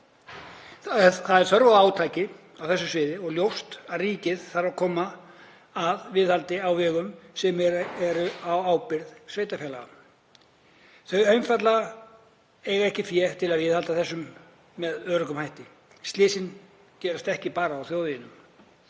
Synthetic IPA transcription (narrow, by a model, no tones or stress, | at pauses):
θaðɛɾ̥θœɾvaaːwt̪ʰaːjcɪ | awθɛsːʏsvɪːðɪɔɣljowst̪ariːcɪð̥θaɾawkʰɔːma | aðvɪðhalt̪ɪawvɛːɣʏmsɛmɛɾʏawaːwpɪɾðsveːjt̪afjalaɣa̰ | θœɥœɥmfat̪la | ejɣɛhcɪfjɛːɾ̥t̪ʰɪlaðvɪːðhalt̪awθɛsːʏmː | ɛðœːɾʏkʏmhajht̪ɪ | st̪lɪːsɪn | cɛːɾast̪ɛhcɪpaːɾaːwθjowðɪjɪnʏm